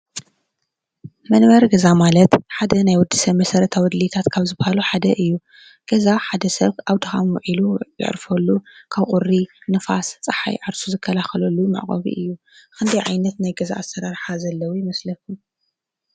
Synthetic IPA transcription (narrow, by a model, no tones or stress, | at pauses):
mɐnbɐɾɡɐzamalɐt̪ħad̪ɐnajwɔd̪ːisɐβmɐsɐɾɐt̪ʰawɔd̪lit̪ʰat̪kʰaβzɨbɐhaluħad̪ɐʔɨjːu | ɡ̥ɐzaħad̪ɐsɐβʔaβt̪ʰɨxamwɔʕilujɨ̰ʕɾfɐlːukʰaβqʼurinɨfast͡sʼɨħa̰jʕaɾsuzɨkʰːɐlaxɐlɐlːumɨ̰ʕqʼɐ̰βḭʔɨjːu | kɨnd̪ɐjʕajnɐt̪najɡɐza̰ʔasːɐɾaɾħazɐlːɐwujɪmɐslɐfu